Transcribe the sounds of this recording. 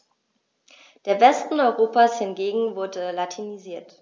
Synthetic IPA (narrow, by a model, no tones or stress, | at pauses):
d̥eːɐvɛstn̩ɔʏʁoːpaːshɪnɡeːɡŋ̩vʊɐdəlatʰiniziːɐt